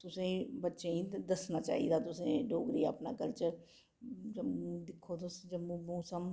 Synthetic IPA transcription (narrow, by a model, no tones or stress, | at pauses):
t̪ʊsẽːbətːʃẽːĩːd̪əsnaːt͡ʃa̰ːḭːd̪aːt̪ʊsẽːɖoːɡɾiːaːpna̰ːkəɾt͡ʃə | d͡ʒəm̃ːd̪ɪkʰːoːt̪ʊsd͡ʒəmũːmũːsəm